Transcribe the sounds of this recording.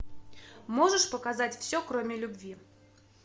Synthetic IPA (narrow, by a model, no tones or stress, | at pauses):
moʐəʂpəkazatʲfsʲɔkromʲɪlʲʊbvʲi